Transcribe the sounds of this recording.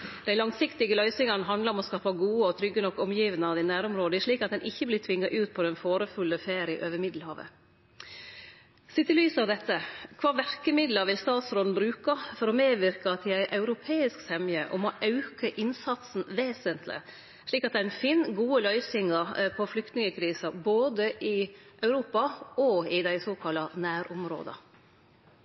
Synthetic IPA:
d̪̥æɪlɑŋsɪkt̪ɪɡəlœʏsɪŋɑnɦɑnd̪lɑɾɔmɔskɑːpɑɡuːəɔt̪ʰɾʏɡːənɔkːɔmjiːʋənəɑd̪ɪnæːɾɔmɾoːd̪əʂɭiːkɑt̪̚d̪ɛnʔɪçːəblɪt̪ʰʋɪŋːɑʔʉːt̪̚pʰɔd̪ɛnfoːɾəfʉlːəfeːɾəɪʔøːʋəɾmɪd̪l̩hɑːʋə̰ | sɪt̪ːɪlyːsɑːʋd̪ɛt̪ʰːəkʰʋɑːʋæɾkəmɪd̪ləɾʋɪlst̪ɑːt̪sɾɔln̩bɾʉːkɑfɔɾɔmeːʋɪɾkɑt̪ʰːɪæɪʔɑʉɾʊpʰeːɪsksɛmjəʔɔmɔʔɑʉkəʔɪnsɑt̪sn̩ʋeːsənt̪lɪ̰ | ʂɭiːkɑt̪̚d̪ɛæɾɪnfiːnɡuːəlœʏsɪŋɑpʰɔflʏkt̪nɪŋəkʰɾiːsɑboːd̪əʔɪʔœʉɾuːpɑɔɪd̪æɪsoːkʰɑlɑnæːɾʔʊmɾo̰ːd̪ɑ̰

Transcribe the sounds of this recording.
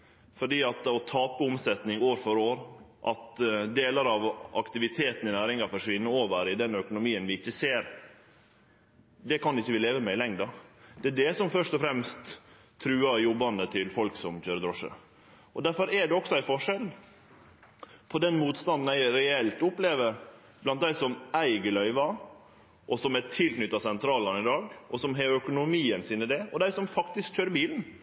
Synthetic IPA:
fɔɖiːɑt̪ɔt̪ʰɑːpəʊmsɛt̪nɪŋoːɾfɔɾoːɾʔɑt̪d̪eːləɾɑʋʔɑ̰kt̪ɪʋɪt̪ʰeːt̪n̩ɪnæːɾɪŋɑfɔʂʋɪnːəoːʋəɾɪd̪ɛnœkʊnʊmiːənʋɪɪçːəseːɾ | d̪ɛkɑnɪçːəʋɪleːʋəmɛɪlɛŋd̪ɑd̪ɛæɖ̪ɛsɔmfœʂt̪ɔfɾɛmst̪ʰː | ɾʉːɑjɔbːɑnd̪ət̪ʰɪlfɔlksɔmçøːɾəd̪ɾɔʂə̰ | ʔɔd̪æɾfɔɾɛɖɛɔksɔæɪfɔʂɛl | pʰɔd̪ɛnmuːt̪st̪ɑnd̪n̩æɪɾɛɛlt̪ʊpleːʋəɾ | blɑnt̪̚d̪æɪsɔmʔæɪɡəɭœʏʋɑ | ʔɔsɔmæʈʰɪlknʏt̪ːɑsɛnt̪ʰɾɑːlɑnɪd̪ɑːɡʔɔsɔmɦeœkʊnʊmiːənsiːnəd̪ɛɔd̪æɪsɔmfɑkt̪ɪskc͡çøːɾəbiːln̩

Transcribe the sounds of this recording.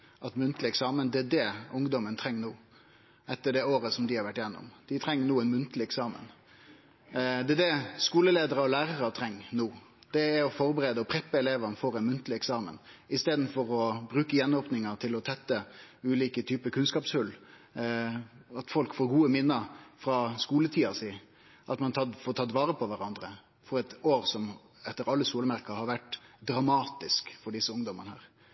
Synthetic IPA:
ʔɑt̪mʉnt̪lɪɛksɑːmənd̪ɛæd̪ɛʊŋd̪ɔmənt̪ʰɾɛŋːnuː | ɛt̪ːəɖɛoːɾəsɔmd̪ɪhɑɾʋæʈːjɛnːɔ̰md̪̥ɪt̪ʰɾɛŋːənuːɛnmʉnt̪əlɪɛksɑːmə̰n | d̪ɛd̪ɛskuːləleːd̪əɾəɔlæːɾəɾət̪ʰɾɛŋːnuː | d̪̥ɛɛɾɔfɔɾbəɾeːd̪əɔpʰɾɛpːəɛleːʋɑnəfɔɾɛɪnmʉnt̪lɪɛksɑːmə̰nɪst̪eːd̪n̩fɔɾɔbɾʉːkəjɛnoːpnɪŋət̪ʰɪlɔt̪ʰɛt̪ːəʉːliːkət̪ʰyːpəkʰʉnskɑːpshʉl | ɑt̪fɔlkfoːɾɡuːəmɪnːəɾfɾɑskuːlət̪ʰiːɑsiː | ʔɑt̪mɑnt̪ʰɑfoːʈʰɑːt̪ʋɑːɾəpʰɔʋæɾɑnd̪ɾə | fɔɾɛt̪oːɾsɔm | ɛt̪ːəɾɑlːəsuːləmæɾɪkɑhɑɾʋæʈd̪ɾɑmɑːt̪ɪskfɔɖɪsːəʊŋd̪ɔmənəhæ̰ːɾ

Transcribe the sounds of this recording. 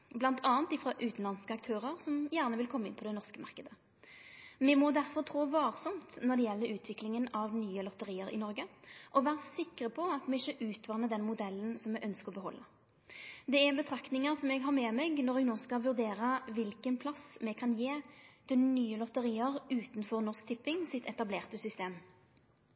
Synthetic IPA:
blɑnt̪ʰɑːənt̪ɪfɾɑʔʉːt̪n̩lɑnskəɑkt̪ʰøːʁəʁsɔmjæːʁnəʋɪlkʰɔmːɪ̰npʰɔd̪ɛnɔʁskəmɑ̰ʁkəd̪ə | mɛmɔd̪æɾfɔʁt̪ʰʁoːʋɑːʁsɔmt̪nɔʁd̪ɛjɛlːəʉːt̪ʰʋɪklɪŋənɑʋnyːəlɔt̪əʁiːəɾɪ̰nɔɾɡəʔɔʋæːʁəsɪkɾəpʰɔɑt̪mɛɪʃəʔʉːt̪ʰʋɑnəd̪ɛnmʊd̪ɛlːənsɔmɛɡʔœnskəʁɔbəɦɔ̰lːə | d̪ɛæʁbət̪ʰɾɑkt̪nɪŋəʁsɔmɛɡɦɑʁmɛmɛɡnɔɾɛɡnoːskɑʋʉɾd̪eːɾəʋɪlkənpʰlɑsmɛkʰɑnjeːt̪ʰɪlnyːəlɔt̪əʁiːəʁʉːt̪n̩fɔʁnɔʁsk̚t̪ʰɪpːɪŋsɪt̪ʰɛt̪ɑbleːʁt̪əsʏst̪eːm

